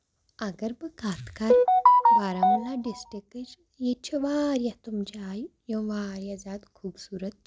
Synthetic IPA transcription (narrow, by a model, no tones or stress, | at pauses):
ɐɡɐɾbɨkaːt̪kɐɾʋaːɾamulaɖisʈikət͡ʃ | jet͡ʃʰiʋaːɾjat̪umd͡ʒːjjõʋaːɾjazaːd̪kʰuːbsuːɾət̪̚